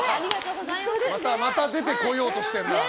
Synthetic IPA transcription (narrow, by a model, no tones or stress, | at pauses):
mat̪amat̪ad̪e̞t̪e̞ko̞jo̞ːt̪o̞ɕi̥t̪ẽna